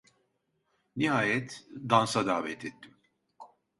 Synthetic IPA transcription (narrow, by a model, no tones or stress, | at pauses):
niɦaːjɛt̪d̪ansad̪aːvɛt̪ʰɛt̪ʰːim